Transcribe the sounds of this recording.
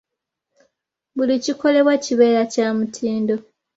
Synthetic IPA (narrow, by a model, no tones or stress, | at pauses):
βuliciko̞le̞βwaciβe̞ːɾacaːmutʰiːndo̞